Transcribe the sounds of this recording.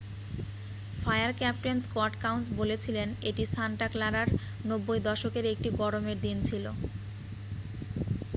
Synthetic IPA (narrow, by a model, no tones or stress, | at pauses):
fajaɾkɛp̚ʈenskɔʈkawnsbolet͡ɕʰileneʈist̪ʰanʈaklaɾaɾ | nobːojd̪ɔʃokeɾek̚ʈiɡɔɾomeɾd̪int͡ɕʰilo̰